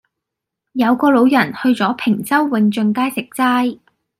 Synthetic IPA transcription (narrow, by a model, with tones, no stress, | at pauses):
jɐ˨˧wkɔː˧lo˨˧˥wjɐ˨˩nhɵ˧ɥt͡sɔː˨˥pʰɪ˨˩ŋt͡sɐ˥wːɪ˨˧ŋt͡ʃɵ˧ŋkaː˥jsɪ˨k̚t͡saː˥j